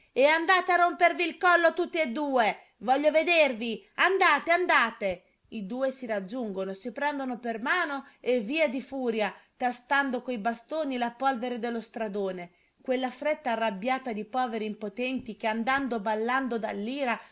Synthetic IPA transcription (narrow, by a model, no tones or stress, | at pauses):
eand̪aːt̪earːompervilkɔlːot̪ut̪ːied̪ːuːe | vɔʎːoved̪erviand̪aːt̪eand̪aːt̪e | id̪uːesiɾad͡ʒːuŋɡonosipɾɛnd̪onopermaːnoevːiːad̪ifuːɾjat̪ast̪and̪okoibast̪oːnilapolveɾed̪elːost̪ɾad̪oːne | kwelːafɾɛt̪ːaːrːabjaːt̪ad̪ipɔːveɾiːmpot̪ɛnt̪ik̟eand̪and̪obalːand̪od̪alːiːɾa